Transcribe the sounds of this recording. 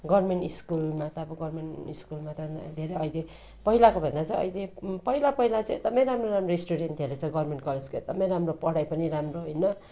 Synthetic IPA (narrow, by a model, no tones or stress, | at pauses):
ɡʌrrmeɳʈiskulmat̪ʌbʌɡʌrmeɳiskulmat̪ʌd̪ʱeɾeʌjle | pʌɦilakobʱʌ̃nd̪at͡saĩj̃ʌ̰jlepʌilapʌɦilat͡sãid̪ʱʌmãj̃ɾamroɾamroisʈuɽenʈ̪eɾʌt͡sʰʌɡʌrmeɳʈkʌled͡zkoḛd̪ʌmaj̃ɾamropʌɽajpʌniɾamroɦojnʌ